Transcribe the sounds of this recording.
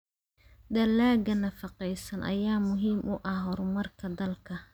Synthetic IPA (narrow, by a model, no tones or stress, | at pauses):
d̪ɐlaːɡɐnɐfɑqɛjsɐnʔɐ̰jaːmʊɦiːmʔʊʔɐhɦɔɾʊmɐrkʰɐd̪ɐlkʰɐ